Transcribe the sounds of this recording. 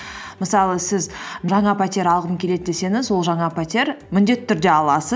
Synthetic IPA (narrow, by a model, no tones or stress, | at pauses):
məsɑlˠəsɪzʒɑɴɑpʰat̪ʲeɾɑlˠʁəmkʲʰe̞le̞d̪ɪd̪e̞se̞ŋɪzwo̞lˠʒɑɴɑpʰat̪ʲeɾmʏnd̪e̞t̪ːɪt̪ʰʏɾd̪e̞ɑlˠɑsə